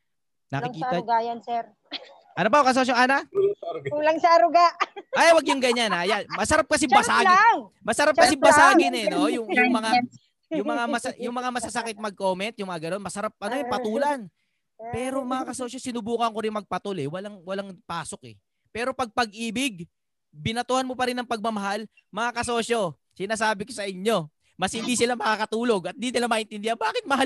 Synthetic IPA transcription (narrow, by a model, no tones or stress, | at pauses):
nɐkɪkiːt̪aɡajɐnsɛɾ | ʔɐnop̬ajkɐs̬oːʃ̬oŋana | ulɐŋsɐɐɾʊɡaʔajwɐɡjʊŋɡɐɲanajamɐsɐɾap̚kɐs̬ɪbɐsaːɡɪmɐsɐɾap̚kɐsɪbɐsaːɡɪnɛnojʊŋjʊŋmɐŋa | jʊŋmɐŋamɐsjʊŋmɐŋamɐsɐsɐkɪt̪̚mɐɡ̚ko̞ːmɛnt̪̚jʊŋmɐŋaɡɐno̞nmɐsɐɾap̚ʔɐnoɛpɐt̪uːlɐn | pɛːɾo̞mɐŋakɐso̞ːʃo̞sɪnʊbuːkɐŋkoɾɪŋmɐɡ̚pɐt̪olɛwɐlaŋwɐlaŋpaːso̞k̚ɛ̰ | pɛːɾo̞pɐɡ̚pɐɡ̚ʔiːbɪɡ̚ | bɪnɐt̪uhɐnmopɐɾɪnːɐŋpɐɡ̚mɐmɐɦal | mɐŋakɐso̞ːʃo̞ | sɪnaːsaːbɪko̞sɐʔɪɲːo̞ | mɐshɪnd̪isɪlamɐkakɐt̪uːlo̞ɡɐt̪̚d̪inɪlamaːʔɪnt̪ɪnd̪ɪhanbaːkɪt̪̚mɐɦa